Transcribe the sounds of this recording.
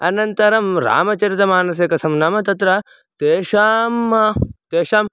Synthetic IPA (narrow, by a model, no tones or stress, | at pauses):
ɐnɐnt̪ɐɾɐmɾa̰ːmɐt͡ʃɐɾit̪ɐmaːnɐs̬jɐkɐsɐmnɐmɐt̪ɐt̪ɾɐ | t̪eːʃaːmɐt̪eːʃaːm